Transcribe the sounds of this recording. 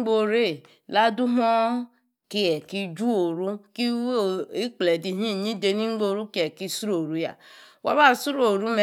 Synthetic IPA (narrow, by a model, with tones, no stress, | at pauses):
ɡ͡bo˦ɾe˦˨ | la˦du˦ɦɔ˦ | ki˦ɛ˨ki˦d͡ʒu˦o˨ɾu˦ki˦wi˦k͡ple˨di˨ɦi˦˨ɲi˦de˨ni˦ŋ͡m̩˦ɡ͡bo˦ɾu˦ki˦ɛ˨ki˦su˦ɾo˨ɾu˦ja̰˨wa̰˦βa˦˨su˦ɾo˨ɾu˦me˦˨